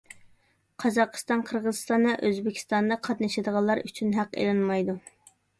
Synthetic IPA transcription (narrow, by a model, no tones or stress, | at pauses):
qʰɑzɑqʰə̥st̪ɑnqʰəɾʁəzɨst̪ɑnːɨʔøzbɪkʲʰi̥st̪ɑnd̪ɑqʰɑt̪nɨʃɪd̪əʁɑlˠːɑɾyt͡ʃʰynɦæqḛlɨnmɑjd̪u